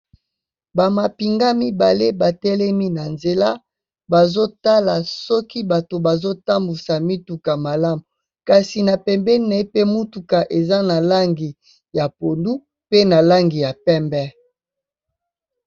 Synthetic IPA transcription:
ba˨ma˨pi˨ŋɡa˦mi˦ba˨le˦ba˨tɛ˦lɛ˦mi˦na˨nze˨la˦ | ba˨zo˦ta˦la˨sɔ˦ki˦ba˨to˨ba˨zo˦ta˦mbu˨sa˨mi˦tu˨ka˨ma˨la˦mu˨ | ka˨si˨na˨pɛ˨mbɛ˦ne˦pe˦mu˦tu˨ka˨ʔe˨za˦na˨la˦ŋɡi˨ | ja˨po˨ndu˦ | pe˦na˨la˦ŋɡi˨ja˨pɛ˦mbɛ˦

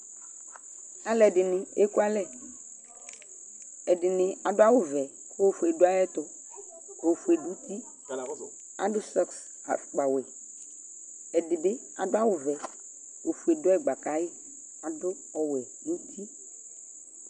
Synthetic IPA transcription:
a˨lɛ˨dɪ˨nɪ˨e˦ku˦a˦lɛ˦˨ | ɛ˨dɪ˨nɪ˨a˨dʊ˦a˦wʊ˨vɛ˨ | ko˦fu˨ɛ˨dʊ˦a˦jɛ˦t̪ʊ˨ | o˨fu˨e˨du˦t̪i˦ | a̰˨dʊ˦sɔ˦ks | a̰˨k͡pa˨wɛ˨ | ɛ˨dɪ˨bɪ˦ | a˨dʊ˦a˦wʊ˨vɛ˨ | o˨fu˨ɛ˨dʊ˦ɛ˦ɡ͡ba˨ka˨˦jɪ˦ | a˨dʊ˦ | ɔ˨wɛ˨ | du˦t̪ʰi˦

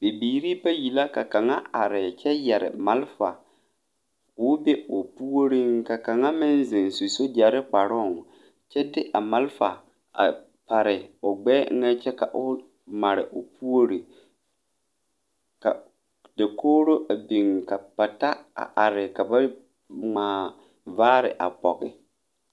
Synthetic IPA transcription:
be˨biː˨ɾi˦pa˦ji˨la˦ka˨ka˨ŋa˦a˨ɾɪ˨t͡ʃɛ˦jɛ˨ɾɪ̰˨ma˨lfa˨ | kʊ˦be˦ʊ˨pu˦o˦ɾi˦ŋka˨ka˨ŋa˦mɪ˦n˦zɪ˨nsu˨so˦d͡ʒa˨ɾɪ˦k͡pa˨ɾɔ˦˨ŋ˨ | t͡ʃɛ˦dɪ˦ʔa˨ma˦lfa˨ | a̰˨ | pa˨ɾɪ˨ʊ˨ɡ͡bɛ̰ː˦ŋa˦t͡ʃɛ˦ka˨ʔʊ˦ | ma˨ɾɪ̰˨ʔʊ˨pu˦o˦ɾi˨ | ka̰˨ | dɪ˨koː˦ɾo˦ʔa˨bi˨ŋka˨pa˨ta˦a̰˨ʔa˨ɾɪ˨ka˨ba˦ | ŋ͡maː˨ | vaː˦ɾɪ̰˨ʔa̰˨pɔ˨kɪ˦

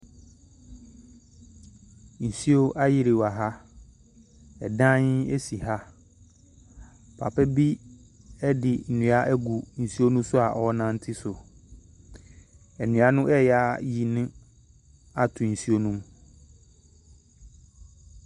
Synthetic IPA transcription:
n̩˨si˦o˦ʔa˦jɪ˦ɾɪ˨wa˨ɦa˦ | ɛ˨dã˦ɲɪ˦e˦si˨ha˦ | pʰa̰˨pʰɛ˦bi˦ | ɛ˦dɪ˨n̩˨nʊ̃˨˦a˦ʔɛ˦ɡu˨n̩˨si˦o˦nũ˦sʊ˦a˨ʔɔ˦nã˦n̩˦tʰɪ˦sʊ˨ | ɛ˨nɪ̃˨˦a˨nʊ̃˦ʔɛ˦˨ja˦ji˨nɪ̃˦ | a˨tʰʊ˨n̩˨si˦o˦nũ˦m

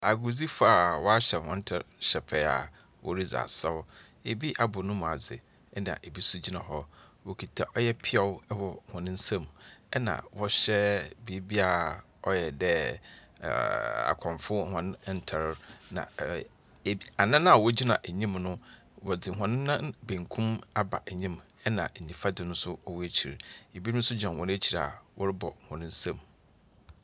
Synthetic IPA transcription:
a˨ɡʊ˨d͡zi˦fa˦˨wɔ˦a˦ɕɛ˨hɔ̃˨˦n̩˦tʰɛ˨ɾɕɛ˨pʰɛ˨a̰˨ | wʔɔ̰˦ɾi˦d͡za̰˨sa˦wʊ˦ | e˨bi˦ʔa˨bʊ˨nʊ̃˦mũ˨a˨d͡zɪ̰˨ | ɛ˦nã̰˨ʔe˨bi˦su˦d͡ʑi˦nã˨ɦɔ˦wo˦kʰi˨tʰa˨ʔɔ˦jɛ˦pʰɪ˦a˦wwɔ˨hɔ̃˨nɪ̃˦n̩˦sã˦mũ˨ɛ˦nã̰˨wɔ˦ɕɛ˦bi˨˦bi˦a˨ | ɔ˦jɛ˨dɛ˦ | a̰˨kʰɔ̃˨mfʊ˦hɔ̃˨n˦n̩˨tʰa˨ɾnã̰˨ | a˨nã˦nã˦a˨wɔ˦d͡ʑi˦nã˨ʔe˨ɲĩ˦mnʊ̃˦ | wɔ˨dɪ˨ɦɔ̃˨nɪ̃˦nã˦bẽ˨ŋkʰũ˦ma˦ba̰˨ʔɲĩ˦m | ɛ˦nã̰˨ĩ˨fa˦dɪ˨nʊ̃˦n˦sʊ˦ɔ˦wæ˦t͡ɕʰi˨ɾe˨bĩ˦sʊ˦d͡ʑã˨hɔ̃˨n˦æ˦t͡ɕʰi˨ɾa̰˨wɔ˦ɾɪ˦bɔ˨hʊ̃˨nʊ̃˦n̩˦sã˦˨m

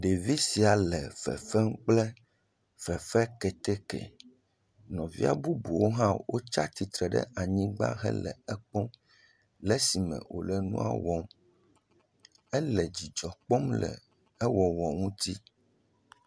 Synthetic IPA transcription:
ɖe˨vi˦si˨a˨lɛ˨fɛ̰˨fɛ˦ŋ˦k͡plɛ˦ | fɛ˨fɛ˦kɛ˨t̪ɛ˦kɛ̰˨ | nɔ̃˨vḭ˦a̰˦bu˦bu˨wo˦ɦã˦wo˦t͡ʃa˦t̪i˨t̪ɾɛ˨ɖɛ̰˦ʔa˨ɲĩ˦ɡ͡ba̰˦ɦɛ̰˦lɛ̰˨ɛ˦k͡pɔ̃˦ | lɛ˦si˨mɛ̰̃˨wʔo̰˨lɛ˨nṵ̃˦a̰˦wɔ˦m | ɛ˦lɛ˨d͡ʑi˨d͡ʒɔ˨k͡pɔ˦mlɛ̰˨ | ɛ˦wɔ˨wɔ˨ŋũ˦t̪i˦

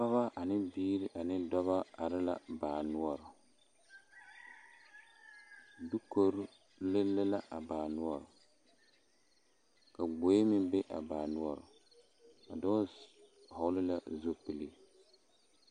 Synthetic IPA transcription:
pa˦βa˦ʔa˨nɪ˦biː˦ɾɪ˦ʔa˨nɪ˦dɔ˦βa˦a˨ɾɪ˦la̰˦˨baː˨nu˦ɔ˦ɾʊ˨ | du˦ko˨ɾʊ˦ | lɪ˦lɪ˦la˦ʔa˨baː˨nu˦ɔ˦˨ɾʊ˨ | ka˨ɡ͡bo˨˦e˦mɪ˦be˦ʔa̰˨baː˨nʊ˦ɔ˦˨ɾʊ̰˨ | a̰˨dɔ˦ | hɔ˨wlɪ˦la˦zo˦pɨ˨li˦

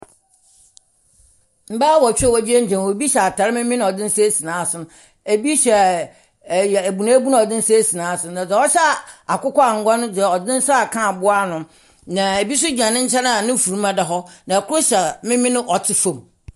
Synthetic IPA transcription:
m̩˦baː˦wɔ˨t͡ɕᶣwɔ˨d͡ʑi˦e˦ɲ̩˦d͡ʑʰɛ̃˨n˨o˨bi˦ɕɛ˨a˨tʰa˨ɾɪ˦mɪ̃˦mɪ̃˦ñ˦ɔ˨dɪ̃˦n̩˦se˦si˨nãː˨˦˨sʊ̃˦n˨ | e˨bi˦ɕɛ˨ | jæ˨bu˨nã˦bu˦nã˦ɔ˨dɪ̃˦n̩˦se˦si˨nãː˨˦sʊ̃˦nã˨d͡za˨˦ɔ˦ɕa˦a˨kʊ˦kɔ˦a˨ŋ̩˨ɡa˦nʊ̃˦dɛ˨ɔ˨dɪ̃˦n̩˦sa˦a˨kʰã˦˨bʊ˦a˦˨nʊ̃˨ | nã˨e˨bi˦s̬ʊ˦d͡ʑᶣã˨nɪ̃˦ɲ̩˦t͡ɕʰɛ̃˦nã˦˨nɪ̃˦˨fu˨ɾu˦mã˦da˨ɦɔ˦nã˨kʰʊ˦ɾo˦ɕɛ˨mɪ̃˦mɪ̃˦nɪ̃˦ʔɔ˨tʰɪ˨fõ˨m

